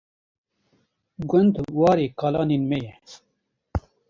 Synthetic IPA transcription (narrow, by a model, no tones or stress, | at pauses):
ɡʊnd̪wɑːɾeːkaːlɑːniːnmɛjɛ